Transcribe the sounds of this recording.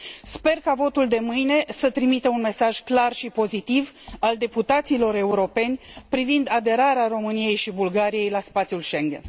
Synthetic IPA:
spe̞rkavo̞t̪uld̪e̞mɨjne̞sət̪ɾimit̪əunme̞saʒklarʃipo̞zit̪ivald̪e̞put̪at̪silo̞ɾe̞uɾo̞pe̞nʲpɾivind̪ad̪e̞ɾaɾeaɾo̞mɨnije̞jʃibulɡaɾije̞jlaspat̪sʲjulʃe̞ŋɡʲe̞̰n

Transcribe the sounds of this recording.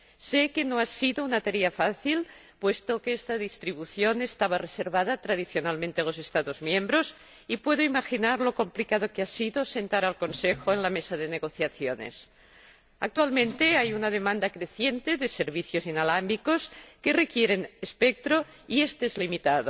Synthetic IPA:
sekenoasiðounat̪aɾeafaθil | pwest̪okeest̪aðist̪ɾiβuθjonest̪aβareseɾβaðat̪ɾað̞iθjonalmẽnt̪ealosest̪aðozmjẽmbɾos | ipwe̞ð̞oimaxinaɾlo̞ko̞mplikaðokeasiðosent̪aɾalkonsexoenlamesaðeneɣoθjaθjonḛs | ak̚t̪walmẽnt̪eajunað̞emãnd̪akɾeθjent̪eðeseɾβiθjozinalambikoskerekjeɾenespek̚t̪ɾo | iest̪eezlimit̪aðo

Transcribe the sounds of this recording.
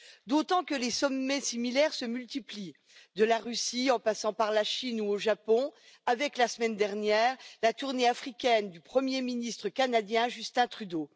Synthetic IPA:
d̪ot̪ɑ̃kəlesɔmːɛsimilɛʁsəmylt̪ipli | d̪əlaʁysiɑ̃pasɑ̃paʁlaʃinuoʒapɔ̃ | avɛklasəmɛnd̪ɛʁnjɛːʁlat̪uʁneafχikʲɛnd̪ypχəmjeminist̪χəkanad̪jɛ̃ʒyst̪ɛ̃t̪χyd̪o

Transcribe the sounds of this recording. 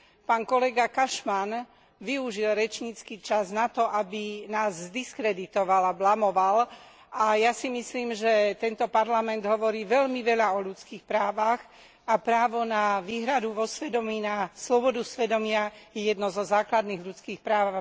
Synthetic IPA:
paːnkɔlɛɡakaʃman | ʋiuʒilɾɛt͡ʃɲit͡skit͡ʃaznat̪ɔʔabinaːzzd̪iskɾɛd̪it̪ɔʋalablamɔʋal | ʔajasimisliːmʒɛt̪ɛnt̪ɔpaɾlamɛnd̪ɦɔʋɔɾiːʋɛʎmiʋɛʎaɔʎut͡skiːxpɾaːʋax | apɾaːʋɔnaʋiːɦɾad̪uʋɔsʋɛd̪ɔmiːnaslɔbɔd̪usʋɛd̪ɔmɪajɛjɛd̪nɔzɔzaːklad̪niːɣʎut͡skiːxpɾaːʋ

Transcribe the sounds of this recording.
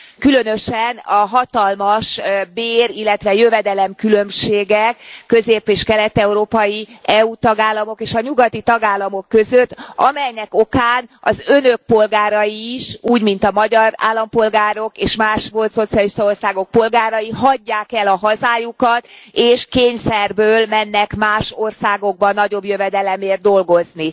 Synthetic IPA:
kylø̞nøʃɛnɒɦɒt̪ɒlmɒʃbeːɾilːɛt̪ʋɛjøvɛd̪ɛlɛmkylø̞mʃeːɡɛkːø̞zeːpeːʃkɛlɛt̪ɛuɾoːpɒjiɛut̪ɒɡaːlːɒmo̞keːʃɒɲuɡɒt̪it̪ɒɡaːlːɒmo̞kːø̞zøt̪ːɒ̰mɛjnɛko̞kaːnɒ̰zø̞nø̞k̚po̞lɡaːɾɒjiːʃuːɟmint̪ɒmɒɟɒɾa̰ːlːɒmpo̞lɡaːɾo̞keːʃmaːʃʋo̞lt̪so̞t̪sijɒliʃt̪ɒo̞rsaːɡo̞k̚po̞lɡaːɾɒjiɦɒɟːaːkɛlɒɦɒzaːjukɒt̪eːʃkeːɲsɛrbøːlmɛnːɛkmaːʃorsaːɡo̞ɡ̚bɒnːɒɟo̞bjøvɛd̪ɛlɛmeːrt̪̚d̪o̞lɡo̞zni

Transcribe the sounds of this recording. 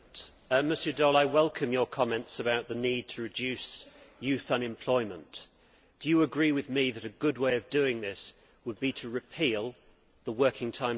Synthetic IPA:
mɨsjədɔlˠaɪwɛlˠkʰə̃mjə˞kʰɑmɛ̃ntsəbaʊʔ̪̚ðənid̚tʰəɹɨd͡ʒʉˑsjʉˑθə̃nɨ̃mpʰl̥ɔɪmə̃n | d̥ɨjəəɡɹiwɨðmiðɨɾɨɡʊd̚weɪʌvdʉɪ̃ŋðɪs | wəd̚biɾʰəɹɨpʰiːlˠ | ðəwɜˑ˞kʰɪ̃ŋtʰãɪ̃

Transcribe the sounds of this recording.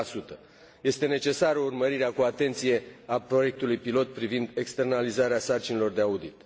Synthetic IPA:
asut̪ə | je̞st̪e̞ne̞t͡ʃe̞saɾəurməɾiɾeakuat̪e̞nt̪sije̞apɾo̞je̞k̚t̪ulujpilo̞t̪̚pɾivind̪e̞kst̪e̞rnalizaɾeasart͡ʃinelo̞rd̪e̞aud̪it̪

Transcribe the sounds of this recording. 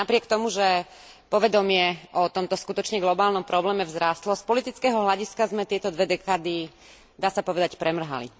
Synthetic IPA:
napɾɪɛkt̪ɔmuʒɛ | pɔʋɛd̪ɔmɪɛʔɔt̪ɔmt̪ɔskut̪ɔt͡ʃɲɛɡlɔbaːlnɔmpɾɔblɛːmɛvzɾaːst̪lɔspɔlit̪it͡skɛːɦɔɦlaɟiskazmɛt̪ɪɛt̪ɔd̪ʋɛd̪ɛkaːd̪i | d̪aːsapɔʋɛd̪acpɾʔɛmr̩ɦa̰lḭ

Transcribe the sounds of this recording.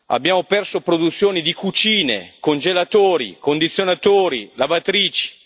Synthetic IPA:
a̰bjaːmopɛrsopɾod̪ut̪sːjoːnid̪ikut͡ʃiːnḛkond͡ʒelat̪oːɾḭkond̪it̪sːjonat̪oːɾilavat̪ɾiːt͡ʃi̥

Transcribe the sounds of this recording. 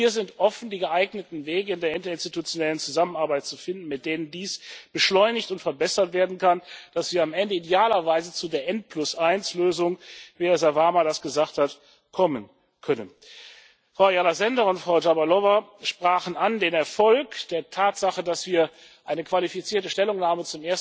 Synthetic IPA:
viːɐzɪntʔɔfn̩diːɡəʔaɪɡnətn̩veːɡəɪndeːɐɪntɐɪnstitut͡sjonɛlənt͡suzamənaɐbaɪt̚t͡sufɪndn̩mɪt̚d̥eːnəndiːsb̥əʃlɔʏnɪçtʊntfɛɐbɛsɐtv̥eːɐdn̩kʰand̥asv̥iːɐamʔɛndəidjaːlɐvaɪzət͡sudeːɐʔɛnt̚pʰlʊsʔaɪnsløːzʊŋviːhɛːɐzavaːmadasɡ̥əzaːχthat | kʰɔmən | kʰœnən | fʁ̥aʊjalazɛndɐʊntfʁ̥aʊd͡ʒabalɔvaʃpʁ̥aːχn̩andeːnɛɐfɔlkd̥eːɐtʰaːtz̥aχədasv̥iːɐ | ʔaɪnəkv̥alifit͡siːɐtəʃtɛlʊŋnaːmət͡sʊmʔeːɐs

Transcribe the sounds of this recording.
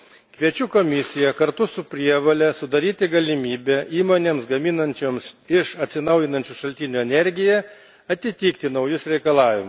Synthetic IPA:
kʋʲiɛt͡ʃʲuːkoːmʲɪsʲɪjɛkɐɾt̪ʊsʊpʲɾʲiɛʋɐlʲɛsʊd̪ɐɾʲiːt̪ʲɪɡɐlʲɪmʲiːbʲɛʔiːmoːnʲeːmsɡɐmʲɪnɐnʲt͡ʃʲoːmsɪʃɐt̪ʲsʲɪnɐʊjɪnɐnʲt͡ʃʲuʃɐlʲt̪ʲɪnʲuɛnʲɛɾʲɡʲɪjɛ | ɐt̪ʲɪt̪ʲiːkt̪ʲɪnɒʊjʊsɾʲɛɪkɐlˠɑːʋʲɪmʊs

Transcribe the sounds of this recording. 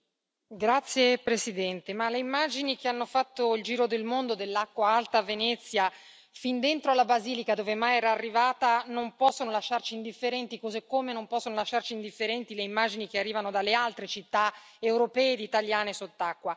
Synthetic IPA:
ɡɾat̪sːjepɾesid̪ɛnt̪emaleimːad͡ʒinik̟eanːofat̪ːoild͡ʒiːɾod̪elmond̪od̪elːakːwaalt̪avenɛt̪sːja | find̪ent̪ɾoalːabaziːlikad̪oːvemajɛːɾaːrːivaːt̪anompɔsːonolaʃːart͡ʃiːnd̪ifːeɾɛnt̪ikozekːomenompɔsːonolaʃːart͡ʃiːnd̪ifːeɾɛnt̪ileimːaːd͡ʒinik̟earːiːvanod̪alːealt̪ɾet͡ʃit̪ːaewɾopɛːed̪it̪aljaːnesot̪ːakːwa

